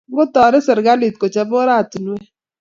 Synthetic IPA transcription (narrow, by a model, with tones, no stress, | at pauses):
ɡʊ˦tɔ˨ɾɪ˦sə˨ɾɡa˦li˨t̚ko˨t͡ʃɛ˦bɔ˦ɾa˦˨tu˨n˨wɛ˦